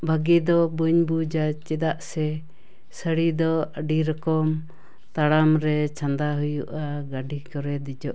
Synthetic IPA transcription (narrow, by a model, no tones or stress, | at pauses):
bʱaɡid̪ɔbuɲbud͡ʒat͡ʃɛd̪aʔsɛ | səɽid̪ɔəɖiɾɔkɔm | t̪aɽamɾɛt͡ʃʰand̪aɦujuʔaɡaɖʱikɔɾɛd̪id͡ʒɔʔ